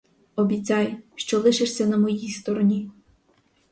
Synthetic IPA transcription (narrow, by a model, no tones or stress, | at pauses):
ɔbʲit͡sʲɑjʃt͡ʃɔlˠɪʃɪʃsʲɐnɐmɔjist̪ɔɾɔnʲi